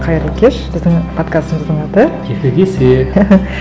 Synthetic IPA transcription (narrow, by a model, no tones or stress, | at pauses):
qʰɑjəɾlˠəkʲʰeʃb̥ɪzd̪ɪŋpʰo̞t̪kast̪əməzd̪əɴɑt̪əkʲʰekʲekʲesɪɾe